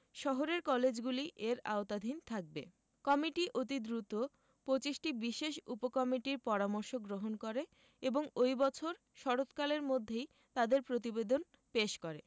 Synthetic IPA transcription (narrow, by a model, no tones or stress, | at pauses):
ʃɔɦoɾeɾkɔled͡ʑɡuliʔeɾa̰ot̪ad̪ʱint̪ʰak̚be | kɔmiʈiʔot̪̬id̪ɾut̪o | pot͡ɕiʃʈibiʃeʃupokɔmiʈiɾpɔɾamoɾʃoɡɾoɦonkoɾe | eboŋojbɔt͡ɕʰoɾ | ʃɔɾot̪kaleɾmod̪ʱːej | t̪ad̪eɾpɾot̪̬ibed̪on | peʃkoɾe